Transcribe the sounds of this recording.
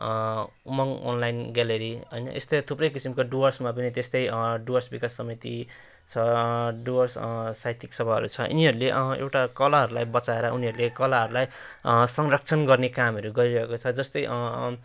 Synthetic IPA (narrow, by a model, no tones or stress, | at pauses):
mʌŋo̰nlajnɡaleɾiʌjna̰ʔest̪ʌt̪ʰuprʌjkisimkoɖuʌrsmap̬ʌnit̪est̪ʌjɖuʌrsbikasːʌmit̪i | t͡sʰʌɖuʌrssajt̪iksʌbʱaɦʌ̰ɾṵt͡sʰʌʔṵniɦʌɾuleʔʌḛwʈakʌlaɦʌɾulajbʌt͡saeɾʌuniɦʌɾulekʌlaɦʌɾulajsʌŋrʌk̚t͡sʰʌnɡʌrnekamɦʌɾuɡʌɾiɾʌɦekot͡sʰʌd͡zʌst̪ʌjʔʌ